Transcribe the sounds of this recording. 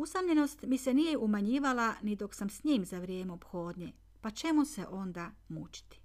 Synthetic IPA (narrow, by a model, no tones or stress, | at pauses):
usamʎe̞no̞st̪misenijeʔumaɲiːʋalanid̪o̞ksamsɲiːmzaʋɾje̞ːmeopxo̞ːd̪ɲe | pat͡ʃe̞museʔo̞nd̪amut͡ʃi̥t̪i̥